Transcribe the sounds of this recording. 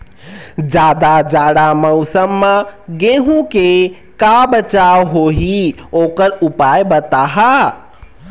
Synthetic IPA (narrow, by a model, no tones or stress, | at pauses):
d͡ʒad̪ad͡ʒaɽaməʊsəmːəɡeɦũke | kabət͡ʃawɦoɦiokəɾupajbət̪aɦa